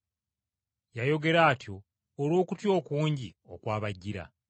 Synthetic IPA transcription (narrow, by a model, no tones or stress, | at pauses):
jajo̞ɡe̞ɾaːtjo̞ː | ɾo̞ːkutjo̞ːkuːɲɟio̞̰kwaːβaɟːiɾa̰